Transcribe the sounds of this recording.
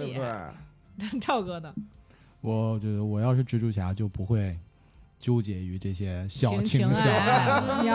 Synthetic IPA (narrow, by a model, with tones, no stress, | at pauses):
ʈ͡ʂʰɑ˥˩ʊkɤ˥nə˨ | wɔ˧˩t͡ɕɔ˧˩ə˧˩wɔ˨˩jɑ˥˧ʊʂɻ̩˥˩ʈ͡ʂɻ̩˥ʈ͡ʂu˥˩t͡ɕʰja˧˥t͡ɕjo˥˩ʊpu˧˥xwe˥˩ɪ | t͡ɕjo˥ʊt͡ɕjɛ˨˩y˧˥ʈ͡ʂɤ˥˩ɕjɛ˥ɕjɑ˨˩ʊt͡ɕʰi˧˥ŋɕjɑ˨˦˧